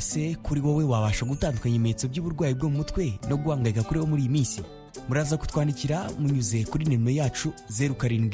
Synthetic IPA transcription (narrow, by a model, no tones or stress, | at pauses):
se̞kuɾiwowe̞waβaʃaɡutaːndukaɲemeet͡so̞bɟuːβuɾɡwaːjib̚ɡo̞ːmumutwe̞no̞ɡuhaːŋɡaɾikakuɾiho̞muɾiːjimiːnsḭ | muɾaːzaku̥twaːndiciɾamuɲuze̞kuɾineminojaːt͡ʃuze̞ɾukaɾiːŋɡ